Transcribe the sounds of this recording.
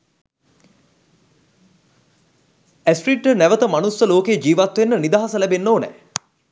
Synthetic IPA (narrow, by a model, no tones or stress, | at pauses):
æsʈriːʈːənæʋət̪əmanusːəloːkejəd͡ʒiːʋat̪ʋenːənid̪aɦasəlæbenːoːnɛ̰